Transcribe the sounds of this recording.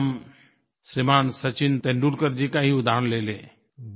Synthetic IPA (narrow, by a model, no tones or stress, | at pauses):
m | sɾɪmaːnsət͡ʃɪnt̪ẽɳɖuɾkəɾd͡ʒikaɦiʊd̪ʱaːnleːleː